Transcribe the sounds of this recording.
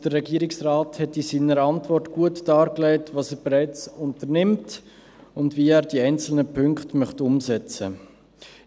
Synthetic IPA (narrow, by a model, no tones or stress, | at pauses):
d̥ərːɛɡiːəɾɪksrɑːthɛtisiːnəɾəɑntvɔrtɡ̥uətd̥ɑːɾklɛɪtvɑːsɛːɾb̥ɛɾɛɪt͡sʊntəɾnɪmt | ʊndviːæːɾdiɛɪnt͡sl̩nəpʰʏŋkχtmœχtʊmsɛt͡sə